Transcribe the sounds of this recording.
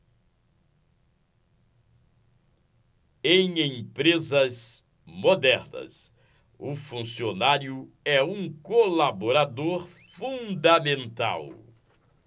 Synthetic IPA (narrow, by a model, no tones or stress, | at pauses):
ẽj̃ẽpɾezɐz | mod̪ɛɾnɐ̰s | ʊfũsionaɾjʊ | ɛũkolaboɾad̪oɾ | fũd̪amẽnt̪a̰w